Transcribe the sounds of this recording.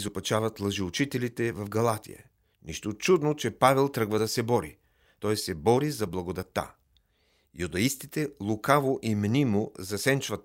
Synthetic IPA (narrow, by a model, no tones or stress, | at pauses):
zopɐt͡ʃavɐt̪lˠɐʒiʊt͡ʃit̪ɛlit̪ɛvɐfɡɐlˠat̪ḭjə̰ | niʃt̪ot͡ʃud̪not͡ʃɛpavɛlˠt̪ɾɤɡvəd̪ɐsɛbɔɾḭ | t̪ɔjsɛbɔɾizɐblˠɐɡod̪ɐt̪ːa̰ | jud̪ɐist̪it̪ɛlˠʊkavoʔimnimʊzɐsɛnt͡ʃvɐt̪